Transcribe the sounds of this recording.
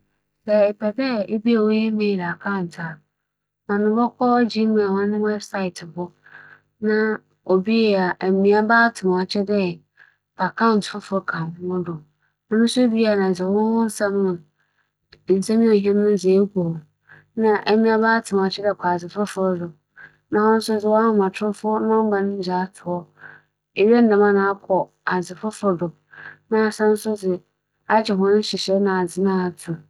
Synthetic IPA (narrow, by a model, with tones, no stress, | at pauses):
sɛ˦˨e˨pʰɛ˨dɛ˦e˦bi˦a˨wo˦ji˦mẽ˦˨da˨kʰa˦˨n˨tʰa˨ | mã˨nʊ̃˦bɔ˦kʰɔ˦d͡ʑĩ˦mã˨wʊ̃˦nɪ̃˦wɛ˦bsa˦ɪ˨tʰɪ˨hʊ˦ | nã˦ | o˨bi˦jɛ˨a˨ʔmĩ˨a˨baː˦tʰɪ˨m˨a˨t͡ɕʰɛ˦dɛ˦ | pʰa˨kʰã˦˨n̩˨tfʊ˦fʊ˦kʰã˨hʊ̃˦mʊ̃˦dʊ˨ | nʊ̃˦nʊ̃˦sʊ˦bi˦a˨nã˨s̬ɛ˨wʊ̃˦wʊ̃˦n̩˦sã˦mːʊ̃˨ | n̩˨sã˦mĩ˦ɔ˨ɦɛ̃˦nʊ̃˦n˦˨ze˨˦kʰo˨ | nã˦ʔɛ˦mĩ˦a˦ba˦tʰɪ˨m˨a˨t͡ɕʰɪ˦dɛ˨kʰɔ˨a˨d͡zɪ˨fʊ˦fʊ˨˦dʊ˨ | nã˨˦hɔ̃˦n˦sʊ˦d͡zɪ˨wɔ˦hʊ̃˦mã˨tʰʊ˦ɾfʊ˦nã˦ba˨nɪ̃˦d͡ʑa˨˦tʰʊ˨ɔ˦ | e˨ɥɛ˦n̩˦nã˨mã˦nã˨a˦kʰɔ˨ | a˨d͡zɪ˨fʊ˦fʊ˨ɾdʊ˨ | nã˦a˨sã˦n˦sʊ˦d͡zɪ˨ | a˦d͡ʑɪ˨ɦʊ̃˦n˦ɕɪ˨ɕɛ˦nã˨a˨d͡zɪ˨nã˦˨tʰʊ˨